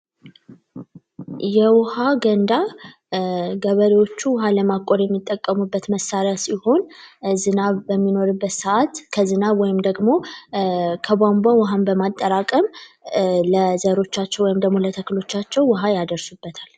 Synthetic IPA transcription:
jɛwʊhaɡənd̪a | ɡəβəɾewo̞t͡ʃːuwɦaləmakʼːoɾjɛmːit̪ʼːəkʼːəmubːət̪məsːaɾjasiho̞nzɨnaβbəmːino̞ɾɨbːət̪səʔat̪kʰəzɨnaβwɔjɪmd̪əɡmo̞ | kʰəbambawʊɦambəmat̪ʼːəɾakʼəm | ləzəɾo̞t͡ʃːat͡ʃːɛwɔjɪmd̪əɡmolət̪ʰəkɨlo̞t͡ʃːat͡ʃːɛwːʊɦajad̪əɾsubːət̪ʰal

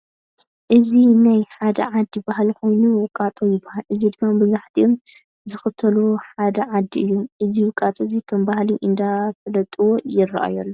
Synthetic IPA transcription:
ʔɨzinajħad̪ɐ̰ʕad̪ːibahlko̞jnuwɨkʼat̪ʼojɪbahalʔɨzid̪ɨmːabɨzaħt̪ʰiʔom | zɨxɨt̪ʰɐluħad̪ɐʕad̪ːiʔɨjːoʔɨziwɨkʼːat̪ʼozikʰɐmbahliʔɨnd̪afɨlɐt̪ʼɨwojɪrːa̰ʔa̰jolːo

